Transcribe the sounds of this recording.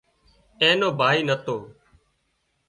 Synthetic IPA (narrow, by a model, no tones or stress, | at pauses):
ẽːnoːbʱaːiːnət̪oː